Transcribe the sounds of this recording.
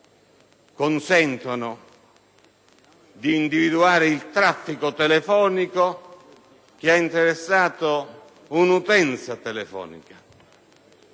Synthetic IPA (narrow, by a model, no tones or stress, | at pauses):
konsɛnt̪onʊ | d̪iːnd̪ivid̪uaːɾɪilt̪ɾafːikot̪elefɔːniko | k̟ɪaint̪eɾesːaːt̪o | unut̪ɛnt̪sat̪elefɔ̰ːnḭka